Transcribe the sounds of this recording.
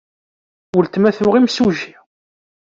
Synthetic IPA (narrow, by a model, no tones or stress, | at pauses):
wəlt̪mæθʊʁimsuʒi